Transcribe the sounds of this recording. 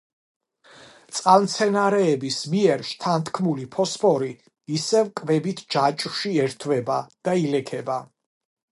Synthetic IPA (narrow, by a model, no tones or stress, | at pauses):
t̪sʼqʼalmt̪sʰɛnaɾɛːbismiɛɾʃt̪ʰant̪ʰkʰmulipʰɔspʰɔɾiː | sɛvkʼvɛbit̪ʰd͡ʒat͡ʃʼwʃiɛɾt̪ʰvɛbad̪̥ailɛkʰɛba